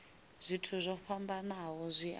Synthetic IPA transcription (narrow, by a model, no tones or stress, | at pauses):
z̥ʷitʰuzʷɔɸambanaɦɔzʷiʔ